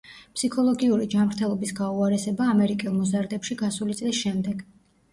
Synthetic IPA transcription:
pʰsikʰɔlˠɔɡiuɾid͡ʒamɾt̪ʰɛlˠɔbisɡauaɾɛsɛbaːmɛɾikʼɛlˠmɔzaɾd̪ɛpʃiɡasulit̪sʼlisʃɛmd̪ɛɡ̥

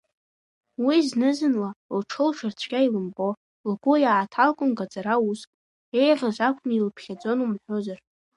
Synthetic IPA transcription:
wiznɨzɨnlalʈ͡ʂʰɨlʃʰart͡ɕʷʰkʲʼailɨmbo̞ | lɡʷujaːtʰalkʷʼʊnɡad͡zaɾauskʼ | e̞jrʷaʒʷakʷʰnilpʰχʲad͡zʷo̞numħʷᶣozar

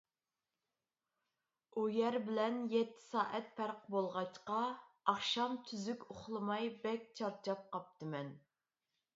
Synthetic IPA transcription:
ujɛɾbɪlɛnjɛt̪ʰːɪ̥sɑːʔɛt̪̚pʰæɾqbolˠʁɑt͡ʃqɑ | ɑχʃɑmt̪ʰyzykʲʊχlˠɨmɑjbɛkʲt͡ʃʰɑɾt͡ʃʰɑp̚qɑp̚t̪ʰɨmɛn

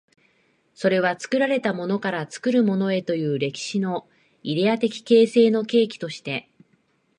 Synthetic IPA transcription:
so̞ɾe̞β̞at͡sɨ̥kɯ̟ɾaɾe̞t̪amo̞no̞kaɾat͡sɨ̥kɯ̟ɾɯ̟mo̞no̞e̞t̪o̞jɯ̟ːɾe̞kʲi̥ɕino̞ | iɾe̞jat̪e̞kʲi̥ke̞ːse̞ːno̞ke̞ːkʲi̥t̪o̞ɕi̥t̪e̞

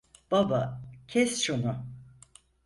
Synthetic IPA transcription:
b̥abacʰɛst͡ʃunu

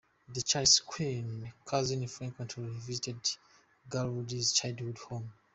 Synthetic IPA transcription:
ðət͡ʃaskʰwĩnkʰazĩnifɹãŋkwãntʰɔvizitɛd | ɡalwudizt͡ʃajdhudhõm

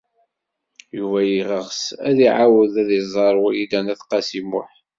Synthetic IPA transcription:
juvæjiʁəʁsæðiʕawəðæðizˤɑɾˤwid̪ænæθqɑsimʊ̰ħ

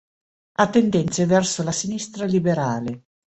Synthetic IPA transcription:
at̪ːend̪ɛnt̪sevɛrsolasinist̪ɾalibeɾaːle

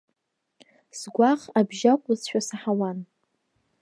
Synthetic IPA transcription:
sɡʷaχabʒakʷʼʊzʃᶣasaħawan

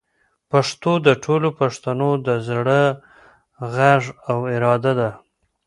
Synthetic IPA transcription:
paʂt̪od̪əʈʰolopaʂt̪anod̪əzɽə | ɣaʐawɪɾɑd̪ad̪a

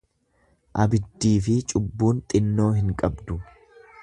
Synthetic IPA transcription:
ʔɐbɪd̪ːiːfɪt͡ʃʼʊbːuːnt̪ʼɪnːo̞ːhɪŋkʼɐbd̪ʊ

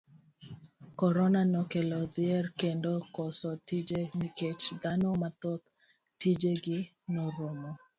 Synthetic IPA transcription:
kɔɾɔnanɔkelɔd̪ɪɛrkendokɔsɔtid͡ʒeniket͡ʃd̪anɔmat̪ɔt̪̚ | tid͡ʒeɡɪ | nɔɾomɔ

